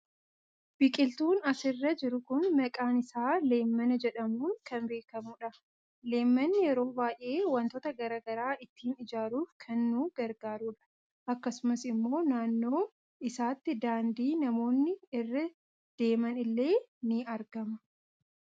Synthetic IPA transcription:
b̥ɪkʼɪlt̪uːnɐsɪrːɐd͡ʒɪɾʊkʊnːɐkʼaːnɪsaːle̞ːmːɐnɐd͡ʒɛᶑɐmuːŋkɐnmbe̞ːkɐmuᶑɐ | le̞ːmːɐnːɪjɛɾo̞ːbaːje̞ːwɐnt̪ɔt̪ɐɡɐɾɐɡɐɾaːʔɪt̪ːiːnɪd͡ʒaːɾuːfkʰɐnːuːɡ̥ɐɾɡaːɾuːᶑɐ̥ | ʔɐkːɐsʊmɐsɪmːo̞ːnaːnːo̞ː | ɪsaːt̪ːɪd̪aːnd̪iːnɐmo̞ːnːɪɪrːɐ | d̪̥e̞ːmɐnɪlːe̞ːnɪɐɾɡɐmɐ

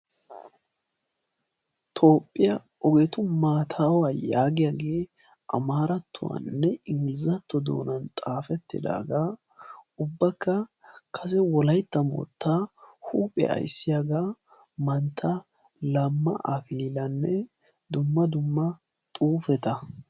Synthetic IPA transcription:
t̪ʰo̞ːpʼːɪjɐ | ʔɔɡet̪ʊmaːt̪ʰaːwaːjaːɡɪjaɡe̞ː | ʔɐ̰maːɾɐt̪ːʊwɐ̰nːɛɪŋɡɪlɪzɐt̪ːɔd̪o̰ːnɐnt̪ʼaːfɛt̪ːɪ̰d̪a̰ːɡa | ʊbːɐkːɐkʰɐs̬ɛwɔlɐjt̪ːɐmɔ̰ːt̪ːaːhuːpʼɛ̰ʔɐ̰jsːɪjaɡaː | mɐnt̪ʰːɐ | lɐmːɐ̰ʔɐklilɐnːɛ | d̪ʊmːɐd̪ʊmːɐ | t̪ʼuːfɛt̪ɐ

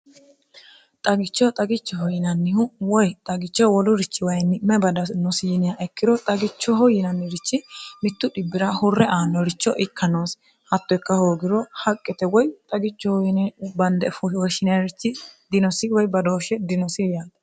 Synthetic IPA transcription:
t̪ʼɐɡɪt͡ʃːɔt̪ʼɐɡɪt͡ʃːɔhɔjɪnɐnːɪhʊwɔjt̪ʼɐɡɪt͡ʃːɔwɔlʊɾɪt͡ʃːɪwɐjnːɪmɛbɐd̪ɐnɔsɪjɪnɪjaʔɛkːɪd̪ɔt̪ʼɐɡɪt͡ʃːɔɦɔjɪnɐnːɪɾɪt͡ʃːɪmɪt̪ːʊᶑɪbːɪɾahʊrːɛʔaːnːɔɾɪt͡ʃːɔʔɪkːɐnoːs | hɐt̪ːɔjkːɐhoːɡɪɾɔhɐkʼːɛt̪ɛwɔjt̪ʼɐɡɪt͡ʃːɔhɔjɪnɛbɐnd̪ɛfɔwɔʃɪnɪɐɾɪt͡ʃːɪd̪ɪnɔsɪwɔjbɐd̪o̞ːʃɛd̪ɪnɔsɪjaːt̪ɐ

